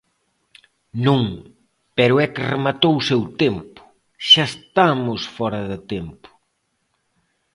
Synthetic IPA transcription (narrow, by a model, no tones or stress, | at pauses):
nũŋ | pɛɾʊɛkɪremat̪owsewt̪empʊ̥ | ʃaest̪amʊsfɔɾɐðɪt̪empʊ̥